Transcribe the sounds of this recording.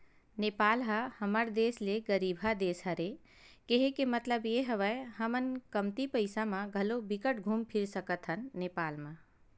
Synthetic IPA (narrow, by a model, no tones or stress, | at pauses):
neːpaːlɦahəməɾd̪eːsleɡəɾiːbʱɦad̪eːsɦɐɾe | keɦekemət̪ləbjeɦəʋəeɦəmənkəmt̪ipəɪsamãɡʱɐlobɪkəʈɡʱuːmpʰɪɾsəkət̪ɦənːeːpaːlmã